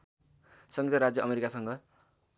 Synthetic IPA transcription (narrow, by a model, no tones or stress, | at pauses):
sʌŋɡit̪ʌɾad͡zjʌʔʌmeɾikasʌŋɡʌ